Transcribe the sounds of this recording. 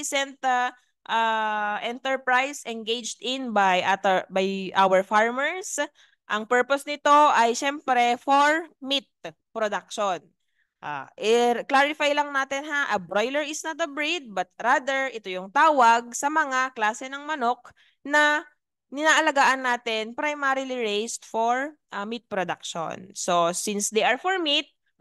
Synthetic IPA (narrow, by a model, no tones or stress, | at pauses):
sɛnt̪ | ʔaʔɛnt̪ɛɹpɹajsʔɛnɡejd͡ʒd̪ɪnbajʔat̪bajʔawɛɹfaɹmɛɹs | ʔɐŋpɛɹposnɪt̪o̞ʔɐjʃɛmpɾɛfoɹmit̪̚ | pɾod̪ak̚ʃon | ʔa̰ʔɛklaɹɪfajlɐŋnaːt̪ɛnɦaʔɐbɾojlɛɹɪsnɐt̪̚d̪ɐbɹid̪̚bɐt̪̚ɾaːd̪ɛɹɛt̪ojʊŋt̪aːwɐɡ̚sɐmɐŋaklaːsɛnɐŋmɐno̞k̚ | nɐ | nɪnaːʔɐlɐɡaːʔɐnːaːt̪ɛnpɾɐjmaɾɪliɹejst̪̚foɹʔɐmit̪̚pɾod̪a̰k̚ʃo̰nso̞sinsd̪ejʔɐɹfoɹmit̪̚